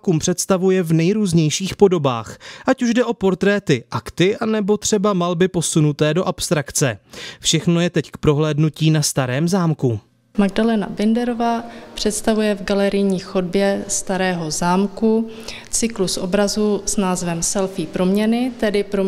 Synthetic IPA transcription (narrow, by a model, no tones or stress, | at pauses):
kuːmpr̝̥ɛt̪st̪avujɛvnɛjɾuːzɲɛjʃiːxpo̞do̞ba̰ːxʔacuʒdɛʔo̞po̞ɾt̪ɾɛːt̪ɪʔakt̪ɪʔanɛbo̞t̪r̝̥ɛbamalbɪpo̞sunut̪ɛːdo̞ʔapst̪ɾakt͡sɛfʃɛxno̞jɛt̪ɛckpɾo̞ɦlɛːdnuciːnast̪aɾɛːmzaːmku | maɡdalɛna̰bɪndɛɾovaːpr̝̥ɛt̪st̪avujɛvɡalɛɾɪjɲiːxodbjɛst̪aɾɛːɦo̞zaːmkut͡sɪklusʔobɾazusnaːzvɛmsɛlfiːpɾo̞mɲɛnɪt̪ɛdɪpɾo